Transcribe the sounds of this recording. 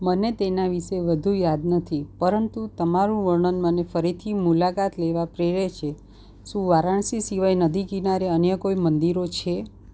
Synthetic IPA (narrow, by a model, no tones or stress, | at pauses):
mənet̪enaʋiʃeʋəd̪ʱujad̪nət̪ʰipəɾənt̪ut̪əmaɾũʋəɾɳənmənefəɾit̪ʰimulakat̪leʋapɾeɾet͡ʃʰe | ʃũʋaɾaɳsisiʋajnəd̪ʱikinaɾeənjəkoimənd̪iɾot͡ʃʰe